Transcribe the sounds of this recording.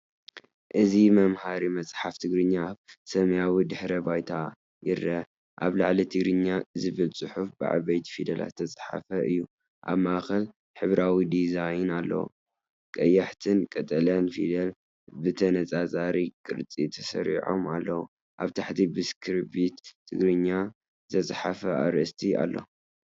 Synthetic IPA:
ʔɨzimɐmhaɾimɐsʼħaft̪ʰɨɡɾɨɲːaβsɐmjawid̪ɨħɾɐbajt̪ʰa | jɪrːɐ | ʔa̰βlaʕlit̪ʰɨɡɾɨɲːazɨβɨlt͡sʼɨħufbɨ̰ʕa̰βɐjt̪ʰfid̪ɐla̰t̪ʰːɐt͡sʼħa̰fɐʔɨjːu | ʔa̰βmaxɐl | ħɨβɾawid̪izajnalːɐ̰wṵ | kʼɐjːaħt̪ʰɨnkʼɐt̪ʼɐlijanfḭd̪ɐl | bɨt̪ʰɐnɐt͡sʼat͡sʼaɾikʼɨɾt͡sʼit̪ʰɐsɐ̰ɾḭʕo̞̰malːɐwu | ʔaβt̪ʰaħt̪ʰibɨskʰɨɾbit̪ʰːɨɡɾɨɲːḁ | t̪ʰɐt͡sʼħafɐaɾɐst̪ʰia̰lːo̰

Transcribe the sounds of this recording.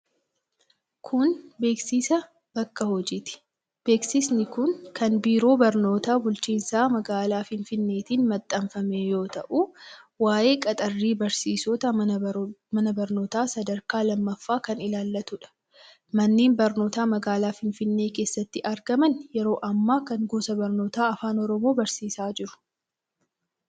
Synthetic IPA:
kʰʊnbe̞ːksiːsɐ | bɐkːɐhɔd͡ʒiːt̪ɪ̥ | b̥e̞ːksɪsnɪkʊnkɐnbiːɾo̞ːbɐɾno̞ːt̪aːbʊlt͡ʃiːnsaːmɐɡaːlaːfɪnfɪnːe̞ːt̪iːnmɐt̪ʼːɐɱfɐmeːjo̞ːt̪ɐʔuwaːje̞ːkʼɐt̪ʼɐrːiːbɐɾsiːsɔt̪ɐ | mɐnɐbɐɾno̞ːt̪aːsɐd̪ɐɾkaːlɐmːɐfːaːkɐnɪlaːlːɐt̪ʊᶑɐ̥ | mɐnːeːnbɐɾno̞ːt̪aːmɐɡaːlaːfɪnfɪnːe̞ːke̞ːsːɐt̪ːɪʔɐɾɡɐmɐnjɛɾo̞ːʔɐmːaːkɐŋɡuːsɐbɐɾno̞ːt̪aːɐfaːnɔɾɔmo̞ːbɐɾsiːsaːd͡ʒɪɾʊ̥

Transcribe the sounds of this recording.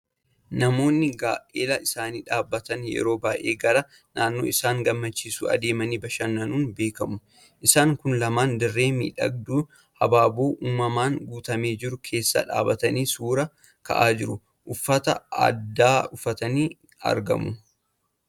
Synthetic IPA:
nɐmo̞ːnːɪɡaːʔʔeːlɐɪsaːniːᶑaːbːɐt̪ɐnjɛ̰ɾo̞ːbaːʔe̞ːɡɐɾɐ | naːnːo̞̰ːɪsaːŋɡɐmːɐt͡ʃːiːsṵːɐ̰d̪e̞ːmɐniːbɐʃɐnːɐnuːnbe̞ːkɐmʊ | ʔɪsaːŋkʊnlɐmaːnd̪ɪrːe̞ːmḭːᶑɐ̰ɡ̚d̪uː | hɐbaːboːʔuːmːɐmaːŋɡuːt̪ɐme̞ːd͡ʒɪɾʊkʰe̞ːsːɐ̰ᶑa̰ːbɐt̪ɐniːsuːɾɐ | kɐ̰ʔaːd͡ʒɪɾʊ | ʔʊfːɐt̪ɐ̰ɐ̰d̪ːaːʊfɐt̪ɐniː | ɐ̰ɾɡɐ̰mʊ

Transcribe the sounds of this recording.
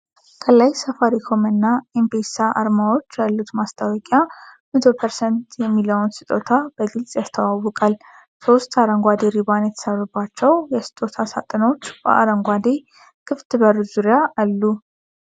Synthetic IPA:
kʰʼəlːajsəfaɾikʰo̞mɨnːaempesaʔa̰ɾmawo̞t͡ʃːjalːut̪mast̪ʰʼawɔkʼjamət̪ʰo̞pʰəɾsɛnt̪ʰjɛmːiləwnsɨ̥t̪ʼo̞t̪ʰabəɡɨlsʼjast̪ʰəwawːɔkʼal | so̞st̪aɾəŋɡʷad̪eɾiβanjɛt̪ʰə̥səβəbːat͡ʃːɛwjɛsɨ̥t̪ʼo̞t̪ʰasa̰t̪ʼɨno̞t͡ʃːbə̰ʔa̰ɾəŋɡʷad̪e | kʰɨft̪ʰɨbəɾɨzuɾjaʔalːu

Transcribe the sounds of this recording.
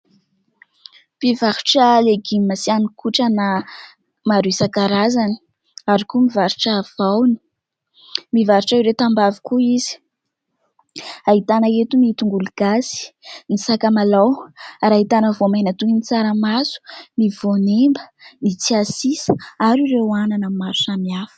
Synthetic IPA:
pivaɾu̥ʈ͡ʂəleɡimimasianikʰuʈ͡ʂana | maɾuisakaɾazani̥ | aɾikumivaɾuʈ͡ʂav̥awni̥ | mivaɾuʈ͡ʂaiɾet̪ambavi̥kuiz̥i̥ | aɦit̪anəet̪umiit̪uŋɡuluɡ̥azi̥nisakamalawaɾaɦit̪anəvomanat̪uinit͡saɾəmasu̥mivonembənit͡siasisaɾiɾeananəmaɾusamiafə̥

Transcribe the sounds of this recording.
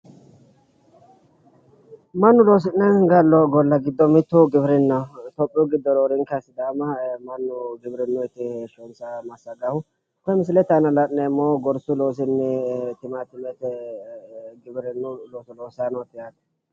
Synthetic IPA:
mɐnːʊloːs̬ɪnːɛnɡɐlːɔɡɔlːɐɡɪd̪ːɔmɪt̪ːʊɡɪbɪɾɪnːɐt̪ɔpʼːɪʊɡɪd̪ːɔɾoːɾɪŋkɐsɪd̪aːmɐmɐnːʊɡɪbɪɾɪnːʊɪt̪ːɪeʃɔnsɐmɐsːɐɡɐhʊ | kɔɛmɪs̬ɪlɛt̪anɐlɐnnɛmːoːɡɔɾsʊloːs̬ɪnːɛt̪ɪmat̪ɪmɛt̪ɛ | ɡɪbɪɾɛnːʊloːsɔloːsaːnɔt̪ːɪjaːt̪ɐ̥

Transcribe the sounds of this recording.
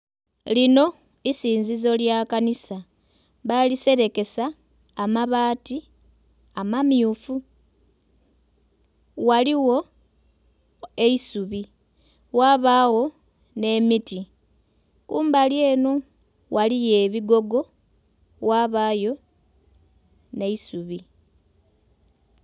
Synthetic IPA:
lino̞ | isiːnzizo̞ljakanisa | βalise̞ɾe̞ke̞saː | maβaːti | amamjufu | waliwo̞ | e̞isuβi | waβaɣo̞ | ne̞miti | kuːmbalje̞ːno | walije̞βiɡo̞ɡo̞ | waβaːjo̞ | ne̞isuβi

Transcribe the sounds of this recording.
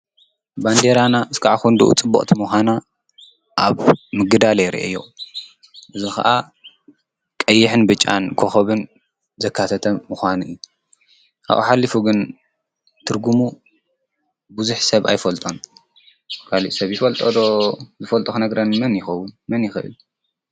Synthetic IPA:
band̪eɾanaʔɨskʰaʕaxund̪ṵʔṵt͡sʼɨbːo̰χʼt̪ʰimuxʷana | ʔaβmɨɡɨd̪alejɾḭʔḛjo | ʔɨzixɐ̰ʔa | kʼɐjːɪħɨnbɨt͡ʃʼːa̰nkʰoxɐβɨn | zɐkʰːat̪ʰɐt̪ʰɐːuxʷanuʔɨju | ka̰ʔṵħalːifuɡɨn | t̪ʰɨɾɡumu | buzuħsɐβa̰jfɐlt̪ʼon | kʰaliʔsɐβjɪfɐlt̪ʼod̪ozɨfɐlt̪ʼoxnɐɡɾɐnmɐnjɪxɐwːʊnmɐnjɪxɨʔɨ̰lu

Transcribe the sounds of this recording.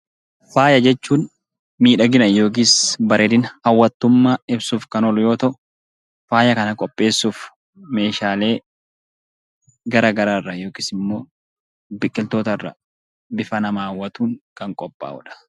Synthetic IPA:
faːjɐd͡ʒɛt͡ʃːuːn | miːᶑɐɡɪnɐjo̞ːk̬iːsbɐɾʔeːd̪ɪnhɐwːɐt̪ːʊmːaːɪbsuːfkɐnɔlʊjo̞ːt̪ɐʔʊ | faːjɐkɐnɐkʼɔpʼːe̞ːsːuːf | me̞ːʃaːle̞ː | ɡɐɾɐɡɐɾaːrːɐjo̞ːkiːsɪmːo̞ː | bɪkʼːɪlt̪o̞ːt̪ɐrːɐ̰ | bɪfɐnɐmaːwːɐt̪uːŋkɐŋkʼɔpʼːa̰ːʊᶑɐ̥

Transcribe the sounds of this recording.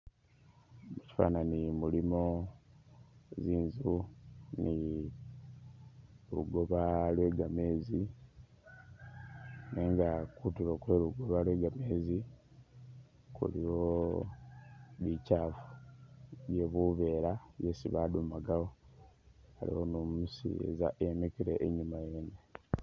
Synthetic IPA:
eci̥fa̰nanimulimo | ziːnzuni | luɡo̞βalwe̞ːɡame̞ːzi | neːŋɡakutulokweːluɡo̞βalwe̞ːɡame̞ːzi | kṵlijo̞ | βicaːfu̥ | je̞βuβe̞ːɾajesḭβadumaɡawo | alḭhonumusḭḛzaʔemekiɾḛʔːɲimajeːne

